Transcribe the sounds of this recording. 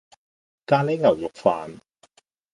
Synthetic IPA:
kaː˧le˨˥ŋɐ˨˩wjʊ˨k̚faː˨n

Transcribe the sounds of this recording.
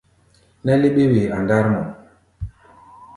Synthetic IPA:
na˦le˦ɓe˦we˨a˨nda˦ɾmɔ˨m

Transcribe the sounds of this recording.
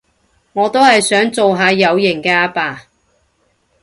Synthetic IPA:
ŋɔː˨˧t̪o˥whɐ˨jsœː˨˥ŋt͡so˨wɦaː˨˧jɐ˨˧wjɪ˨˩ŋkɛː˧a˧paː˨˩

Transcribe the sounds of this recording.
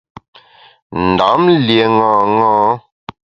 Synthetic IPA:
n̩˨da˨˦mlje˨ŋãː˨ŋɔ̃ː˦

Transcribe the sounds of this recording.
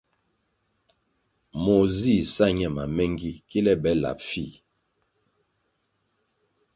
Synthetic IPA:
mo˨zi˦˨sa˦ɲɛ˦˨ma˨mɛ˦ŋɡi˦ki˦lɛ˦bɛ˨˦la̰˨pfi˦˨

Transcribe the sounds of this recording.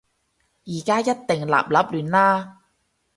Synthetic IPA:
jiː˨˩kaː˥jɐ˥t̚t̪ɪ˨ŋla̰ː˨p̚lɐ˨˥p̚lyː˨nlaː˥

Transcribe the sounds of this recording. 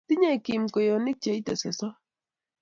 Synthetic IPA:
ti˦ɲe˦˨ki˨mko˨jɔ˨nɪ˦k̚t͡ʃe˨i˦tɛ˨sɛ˨sɔ˦

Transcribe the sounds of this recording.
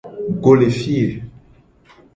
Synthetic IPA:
ɡo˨le˨fi˦e˨

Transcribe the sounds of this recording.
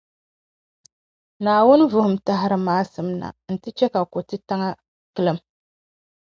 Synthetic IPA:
naː˨wʊ˦n˦vʊ˦hʊ˨m̩˦ta˦ɦɪ˦ɾɨ˨maː˦sɨ˨mna̰˨n̩˨tɨ˦t͡ʃɛ˦ka˨ko˨tɨ˦ta˦ŋa˦ | kɨ˦lɨ˦m

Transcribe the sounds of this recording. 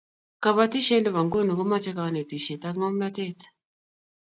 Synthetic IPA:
ka˨βa˦ti˦ʃe˦ndɛ˨βa˨ŋɡo˦no˨ko˦ma˦t͡ʃɛ˦ka˨˦ne˨ti˨ʃe˨ta˦ŋɔ˦m˦la˦tɛ˦t

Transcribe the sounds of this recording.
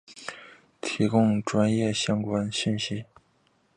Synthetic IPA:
t̪ʰi˧˥kʊ˥˩ŋʈ͡ʂwa˥njɛ˥˩ɕjɑ˥ŋkwa˥nɕi˥˩nɕi˥

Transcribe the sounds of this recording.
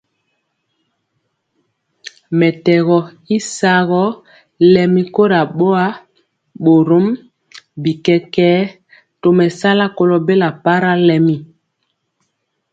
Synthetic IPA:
mɛ˨tɛ˨ɣɔ˨ | i˦sa˦ɣɔ˦ | lɛ˨mi˦ko˦ɾa˨ɓo˦a˦ | ɓo˨ɾo˦m | bi˨kɛ˦kɛː˦ | to˨mɛ˨sa˦la˦ko˦lo˨be˦la˨pa˦ɾa˦lɛ˨mi˦

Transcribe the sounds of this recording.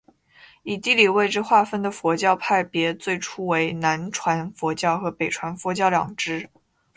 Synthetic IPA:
i˨˩t̪i˥˧li˨˩we˥˧ɪʈ͡ʂɻ̩˥˧xwa˥˧fə˥nd̪ə˨˩fwɔ˧˥t͡ɕjɑ˥˧ʊpʰa˥˩ɪpjɛ˧˥t͡swe˥˩ɪʈ͡ʂʰu˥we˧˥ɪna˧˥nʈ͡ʂʰwa˧˥nfwɔ˧˥t͡ɕjɑ˥˩ʊxɤ˧˥pe˨˩ɪʈ͡ʂʰwa˧˥nfwɔ˧˥t͡ɕjɑ˥˩ʊljɑ̰˨˩ŋʈ͡ʂɻ̩˥

